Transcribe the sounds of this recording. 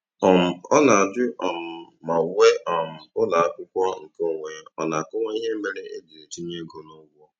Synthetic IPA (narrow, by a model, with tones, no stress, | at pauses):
ɔ˨m̩˨ɔ˦la˨a˨dɪ˦ʔɔ˨m̩˨ | ma˨we˦ʔɔ˨m̩˨ʊ˦la˨a˦kʷʊ˦kʷɔ˦ŋ̩˨ko˦˨ŋʷe˨ɔ̰˨na˨a˨kʊ˦ŋʷa˦i˦ɦe˦me˨ɾe˦ʔe˦di˨e˨ti˦ɲe˦ɡo˨no˦wʷɔ˦